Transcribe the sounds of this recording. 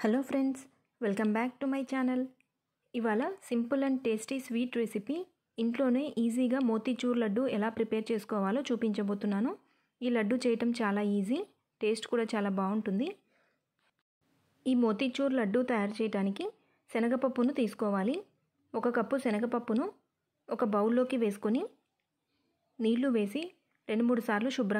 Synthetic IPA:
heloːpʰɾeɳɖs | ʋelkɐmbaːk̚ʈumɐjt͡ʃaːnɐl | iʋaːlɐsimpulɐɳɖʈeːsʈisʋiːʈɾesipi | iɳʈlo̞ːne̞ːʔiːziːɡaːmoːt̪it͡ʃuːɾlɐɖːuɛlaːpɾipeːɾt͡ʃe̞ːsu̥kɔːʋaːloːt͡ʃuːpiɲt͡ʃɐbo̞ːt̪unːaːnu | iːlɐɖːut͡ʃɛːjɐʈɐmt͡ʃaːlaːiːzi | ʈe̞ːsʈkuːɽaːt͡ʃaːlaːbaːuɳʈund̪i | iːmo̞ːt̪iːt͡ʃuːɾlɐɖːut̪ɐjaːɾt͡ʃɛːjɐʈaːniki | sɛnɐɡɐpɐpːunut̪iːsu̥kɔːʋaːli | ɔkɐkɐpːusɛnɐɡɐpɐpːunu | ɔkɐbɐwulːo̞ːkiʋe̞ːs̬u̥koni | niːɾluʋe̞ːsi | ɾe̞ɳɖumuːɽusaːɾluʃubɾɐ

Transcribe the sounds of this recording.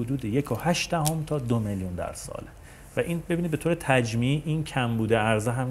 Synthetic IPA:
od̪uːd̪ejekʰohæʃd̪æhomt̪ʰɒːd̪omeljund̪æ̰ɾsɒ̰ːle | væʔinbebiːnid̪be̞t̪oːɾet̪ʰæd͡ʒmiʔincʰæmbuːd̪eæɾzeɦæm

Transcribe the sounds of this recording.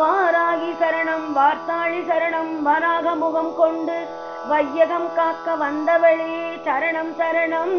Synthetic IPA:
paːɾaːɣisɐɾɐɳɐmʋaːɾt̪aːɻisɐɾɐɳɐmʋɐɾaːɣɐmʊɣɐmkɔɳɖɯ | ʋɐjːɐɣɐmkaːkːɐʋɐnd̪ɐʋɐɭit͡ʃɐɾɐɳɐmt͡ʃɐɾɐɳɐm

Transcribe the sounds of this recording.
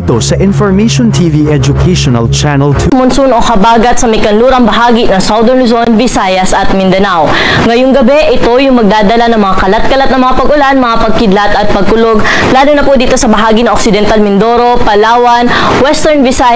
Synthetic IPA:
t̪osɐʔɪnfɔɹmejʃont̪ʰiːviɛd͡ʒʊkʰeʃonɐ̰lt͡ʃanɛlt̪ʰmonsuno̞kɐbaːɡɐt̪sɐmɐkɐnluːɾɐŋbɐɦaːɡinɐŋsawd̪ɛɹnlʊzo̞nvɪsaːjɐsʔɐt̪̚mɪnd̪ɐnaw | ŋɐjʊŋɡɐbɛʔɪt̪o̞jʊŋmɐɡ̚d̪aːd̪ɐlanɐŋmɐŋakɐlat̪̚kɐlat̪nɐŋmɐŋapɐɡʊlanmɐŋapɐɡ̚kɪd̪lat̪ɐt̪̚pɐɡ̚kʊloɡ | laːlonɐpʊd̪iːt̪o̞sɐbɐɦaːɡinɐŋʔoksɪd̪ɛnt̪almɪnd̪oːɾo̞pɐlaːwɐn | wɛst̪ɛɹnvɪsa

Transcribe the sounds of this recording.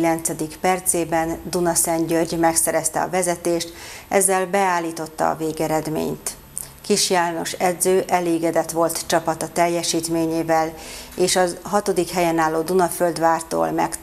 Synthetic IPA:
ilɛnt̪sɛd̪ikpɛrt̪seːbɛnd̪unɒsɛɲɟørɟmɛksɛɾɛst̪ɛ̰ɒ̰vɛzɛt̪eːʃt̪ɛ̰zːɛlbɛaːlːiːt̪o̞t̪ːɒ̰ːveːɡɛɾɛd̪mḛːɲt̪ | kiʃjaːlno̞ʃɛd̪zøːʔɛleːɡɛd̪ɛt̪ʋo̞lt̪t͡ʃɒpɒt̪ɒt̪ɛjːɛʃiːt̪meːɲeːvɛleːʃɒɦɒt̪o̞d̪ikhɛjɛnaːlːoːd̪unɒføld̪ʋaːrt̪o̰ːlmɛ̰k

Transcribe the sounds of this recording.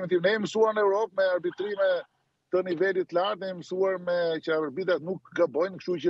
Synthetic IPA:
ɛt̪imnɛɛməsuaɾnɛuɾɔp̚mɛaɾbit̪ɾimɛ | t̪ənivɛlit̪ːəlaɾt̪nɛiməsuaɾmɛcavəɾbit̪at̪nuk̚ɡabɔjnkʃt̪ut͡ʃə

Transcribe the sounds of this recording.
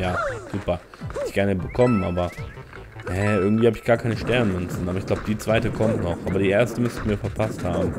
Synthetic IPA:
jaːz̥uːpɐ | hɛtɪçɡ̥ɛɐnəbəkʰɔmənʔaːbɐ | hɛʔɪɐɡŋ̩tv̥iːhabəɪçɡ̥aːɐkʰaɪnəʃtɛɐnmʏnt͡sn̩ʔaːbɐɪçɡ̥laʊbəd̥iːt͡sv̥aɪtəkʰɔmtnɔχʔaːbɐdiːʔeːɐstəmʏstɪçmiːɐfɛɐpʰasthaːbm̩

